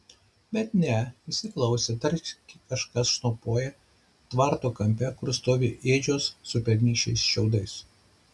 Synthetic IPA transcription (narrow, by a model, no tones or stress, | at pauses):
bʲɛt̪nʲɛɪsʲɪklˠɐʊsʲet̪ɐɾʲt͡ʃkʲɪkɐʃkɐsʃnɐʊpoːjɛ | t̪ʋɑˑɾt̪oːkɐmʲpʲɛkʊɾst̪oːʋʲɪʔeːd͡ʒʲoːsːʊpʲɛɾʲnʲiːʃʲɛɪsʃʲɛʊd̪ɐɪs